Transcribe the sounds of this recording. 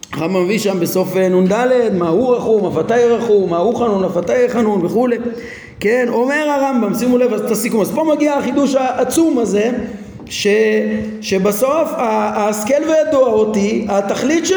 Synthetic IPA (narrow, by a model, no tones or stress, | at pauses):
aʁambameviʃambe̞so̞fenund̪ale̞d̪mauʁaχumafat̪ajʁaχumahuχanunafat̪ajeχanunve̞χule̞ | keno̞me̞ʁaʁambamsimulevazt̪asikumazpolmaɡiaχid̪uʃaʔːt͡sumaze̞ | ʃeʃe̞baso̞faːske̞lvejad̪uaot̪iat̪aχlit̪ʃe